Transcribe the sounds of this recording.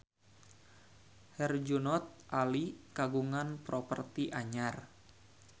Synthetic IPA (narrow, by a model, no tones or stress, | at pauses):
hɛrd͡ʒunɔt̪̚ʔalikaɡuŋanpɾɔpərt̪iʔaɲar